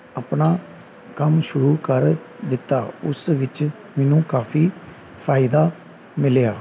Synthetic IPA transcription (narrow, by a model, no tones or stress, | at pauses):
aːpnaː | kəmʃʊɾuːkəɾ | d̪ɪt̪ːaːʊsʋɪt͡ʃ | mɛːnũːkaːfʰiː | pʰaːɪd̪aː | mɪljaː